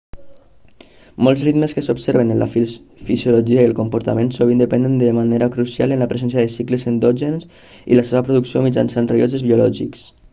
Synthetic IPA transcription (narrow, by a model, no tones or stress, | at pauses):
mɔlˠzrid̪məskəsobseɾβənənla̰f | fizjuloʒiaiəlˠkumpuɾt̪amensoβ̞ind̪əpɛnd̪ənd̪əmaneɾakɾusia̰lənlapɾezɛnsjaðəsikləzənd̪ɔʒens | ḭləseβəpɾuðuksiomid͡ʒansanreozəzβiulɔʒḭks